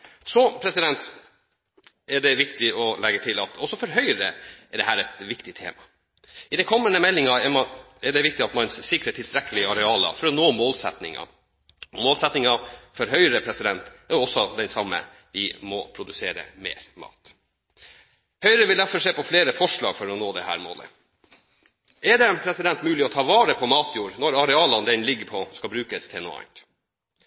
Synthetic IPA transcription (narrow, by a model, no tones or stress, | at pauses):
sɔpʰɾɛsɪd̪ɛnt̪ | æɖɛʋɪkt̪ɪɔlɛɡːət̪ʰɪlɑt̪ʰɔsːɔfɔɾɦœʏəɾə̰ɛɖɛɦæːɾɛt̪ʋɪkt̪ɪt̪ʰḛːmɑ | ɪd̪ɛkʰɔmːənəmɛlːɪŋɑɛmɑ | ɛɖɛʋɪk̚t̪ɪɑt̪mɑnsɪkɾət̪ʰɪlst̪ɾɛkːəlɪɑɾɛɑːlə̰fɔɾɔnoːmoːlsɛ̰t̪nɪ̰ŋɑ̰ | ɔmoːlsɛt̪nɪŋɑfɔɾɦœʏɾəpʰɾɛsɪd̪ɛnt̪ɛɔsɔd̪ɛnsɑmːə̰ | ʋɪmɔ̰pʰɾʊd̪ʉseːɾə̰mḛːɾmɑ̰ːt̪ | hœʏɾəʋɪld̪æfɔʂeːpɔfleːɾəfɔʂɭɑːɡfɔɾɔnoːd̪ɛhæ̰ːɾmo̰ːlə̰ | ɛɖɛpʰɾɛsɪd̪ɛnt̪mʉːlɪɔt̪ʰɑːʋɑːɾəpʰɔmɑːt̪ʰjuːɾnɔɾɑɾɛɑːlɑnd̪ɛnlɪɡəpʰɔskɑbɾʉːkəst̪ʰeːno̰ːɑ̰ɪnt̪